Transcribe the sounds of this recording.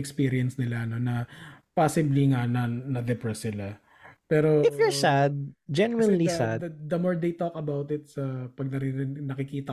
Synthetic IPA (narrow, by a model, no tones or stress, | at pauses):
ɛkspiːɾɪɛnsnɪlaɐno̞nɐpaːsɪbliŋanɐnɐd̪ɛpɾɐsɪla | pɛːɾoɪfjɔɹsad̪̚d͡ʒɛnwɛnlisa̰d̪ɐd̪ɐmoɹd̪ejt̪okɐbawt̪ɪt̪̚sɐpɐɡ̚nɐɾinɐkɪkiːt̪ɐ